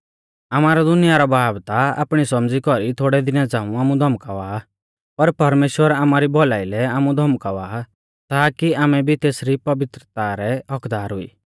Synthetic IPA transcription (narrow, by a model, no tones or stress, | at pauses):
amaːɾad̪ʊnɪjaɾɔbʱaːbt̪aa̰ːpɽ̃isɔmd͡zikɔɾit̪ʰoːɽɛd̪ɪnɛd͡zãːũaːmũd̪ʱɐmkaʋaː | pɐɾpɐɾmeːʃwəɾaːmaːɾibɔlaːilɛaːmũd̪ʱɔmkaʋa | t̪akiaːmɛbʱit̪eːsɾipɐʋɪt̪ɾət̪aɾɛɔkd̪aːɾɦʊḭː